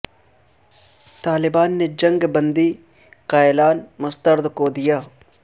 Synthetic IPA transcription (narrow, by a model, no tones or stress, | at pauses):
t̪aːlɪbaːnːed͡ʒɐ̃ŋɡbə̃nd̪i | kaːɪlaːnmʊst̪əɾd̪kod̪ijaː